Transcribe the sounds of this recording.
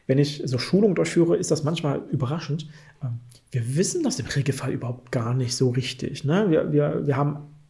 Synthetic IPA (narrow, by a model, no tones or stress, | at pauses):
vɛnɪçzoːʃuːlʊŋdʊɐçfyːʁəʔɪstd̥asmançmaːlʔyːbɐʁaʃn̩t | ʔɛːm | v̥iːɐvɪsn̩d̥asɪmʁeːɡl̩falʔyːbɐhaʊp̚tɡ̥aːɐnɪçtz̥oːʁɪçtʰɪ̰çnəviːɐviːɐviːɐhaːbm̩